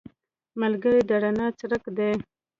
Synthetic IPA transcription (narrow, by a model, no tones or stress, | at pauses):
malɡəɾed̪aɽanɑt͡sɾəkd̪e